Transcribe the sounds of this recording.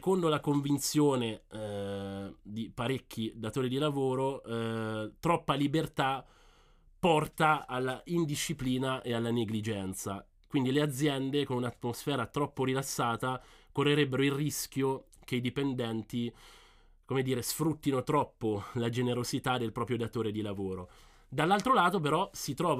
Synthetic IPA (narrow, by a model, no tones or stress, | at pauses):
ekond̪olakoɱvint̪sjoːne | d̪ipaɾekːid̪at̪oːɾid̪ilavoːɾo | t̪ɾɔpːalibert̪a | pːɔrt̪aalːaind̪iʃːipliːnaʔealːaneɡlid͡ʒɛnt̪sa | kwind̪ilead̪zːjɛnd̪ekonunat̪ːmosfɛːɾat̪ɾɔpːoɾilasːaːt̪a | korːeɾɛbːeɾoilriskjok̟eid̪ipend̪ɛnt̪i | komed̪iːɾesfɾut̪ːinot̪ɾɔpːolad͡ʒeneɾosit̪ad̪ːelpɾɔːpɾjod̪at̪oːɾed̪ilavoːɾo | d̪alːalt̪ɾolaːt̪op̬eɾɔsit̪ɾɔːv